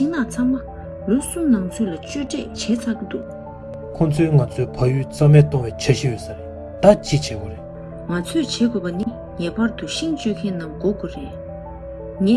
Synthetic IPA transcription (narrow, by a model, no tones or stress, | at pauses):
t͡ɕiŋnat͡sʰaŋma | losumnaŋt͡sʰøːlat͡ɕøːʈ͡ʂɛʔt͡ɕʰɛːt͡sʰakit̪uʔ | kʰɔnt͡sʰøːŋat͡sʰøːpʰajyːt͡samɛːt̪ɔŋwɛːt͡ɕʰaɕijøsaɹeʔ | t̪at͡ɕit͡ɕʰɛːkoɹeʔ | ŋat͡sʰøʔt͡ɕʰɛːkøpani | ŋɛːpaɹt̪uɕiŋt͡ɕøkʰɛnːamkoʔkoɹe | ŋɛː